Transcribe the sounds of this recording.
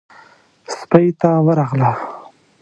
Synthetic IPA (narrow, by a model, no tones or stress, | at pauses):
spajt̪awəɾaɣla